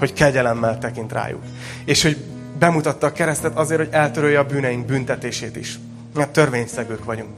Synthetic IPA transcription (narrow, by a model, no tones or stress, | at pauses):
ho̞ckɛɟɛlɛmːɛlt̪ɛkint̪ra̰ːjṵk | eːʃho̞ɟ | bɛmut̪ɒt̪ːɒːkɛɾɛst̪ɛt̪ɒzeːrhoɟɛlt̪øɾøjːɛɒbyːnɛjiŋɡ̚bynt̪ɛt̪eːʃeːt̪ḭʃ | nɛt̪ø̞rveːɲsɛɡøːkʋɒɟuŋk